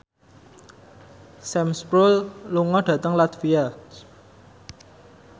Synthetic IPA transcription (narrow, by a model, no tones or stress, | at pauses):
sɛmspɾulluŋɔɖ̥ä̤t̪əŋlat̪via